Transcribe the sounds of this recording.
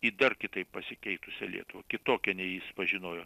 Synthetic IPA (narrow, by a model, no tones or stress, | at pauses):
iːd̪ɐrkʲɪt̪ɐɪppɐsʲɪkʲɛɪt̪ʊsʲɛ̰lʲḭɛt̪ʊʋɐkʲɪt̪oːkʲɛnʲɛjɪsʋɐʒʲɪnoːjoː